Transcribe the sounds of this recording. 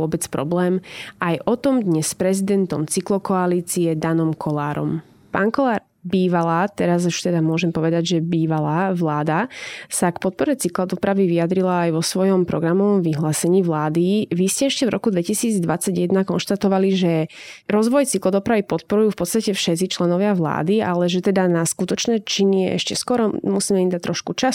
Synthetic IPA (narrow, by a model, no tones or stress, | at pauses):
ɔbɛt͡spɾɔ̰blɛːmajʔɔt̪ɔmd̪ɲɛspɾɛzid̪ɛnt̪ɔmt͡siklɔkɔaliːt͡siɛd̪anɔmkʰɔlaːɾɔ̰m | pa̰ːŋkɔlaːɾ | biːʋalaːt̪ɛɾazuʃt̪ɛd̪amʊɔʒɛmpɔʋɛd̪aɟʒɛbiːʋalaːʋlaːd̪asakpɔt̪̚pɔɾɛt͡siklɔd̪ɔpɾaʋiʋiad̪ɾilaːjʋɔsʋɔjɔmpɾɔ̰ɡɾamɔʋɔmʋiɦlaːsɛɲiːʋlaːd̪iʋiscɛɛʃcɛvɾʔɔ̰kud̪ʋɛcisiːd͡zd̪ʋat͡saɟjɛd̪nakɔnʃt̪at̪ɔʋaliʒɛɾɔzʋɔjt͡siklɔd̪ɔpɾaʋipɔt̪̚pɔɾujuːfpɔt̪st̪acɛfʃɛt͡sit͡ʃlɛnɔʋɪaʋla̰ːd̪ialɛʒɛt̪ɛd̪anaskut̪ɔt͡ʃnɛːt͡ʃiniɛ̰ɛ̰ʃcɛskɔɾɔmusiːmɛimd̪ac̚t̪ɾɔʃkut͡ʃas